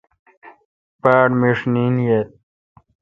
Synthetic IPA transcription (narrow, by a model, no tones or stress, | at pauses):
paːɖmiʂniːnjet̪̚